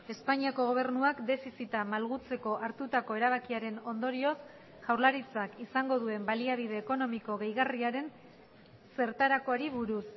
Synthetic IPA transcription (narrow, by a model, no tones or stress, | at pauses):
e̞spaɲiako̞ɣ̞o̞β̞e̞rnuakd̪e̞fisit̪amalɣut͡se̞ko̞ʔaɾt̪ut̪ako̞e̞ɾaβ̞akiaɾe̞no̞nd̪o̞ɾio̞s | ʝ̥awɾlaɾit͡sakisaŋɡo̞ð̞ue̞mbaliaβ̞iðe̞ːko̞no̞miko̞ɣe̞jɣariaɾe̞n | se̞ɾt̪aɾako̞aɾiβuɾus